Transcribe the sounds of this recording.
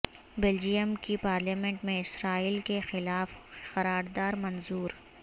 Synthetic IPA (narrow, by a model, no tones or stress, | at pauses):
bɛld͡ʒijəmkipaːɾliːmɛ̃ɳʈmẽɪsɾaːiːlkexɪlaːfxɐɾaːɾd̪aːɾmɐnzuːɾ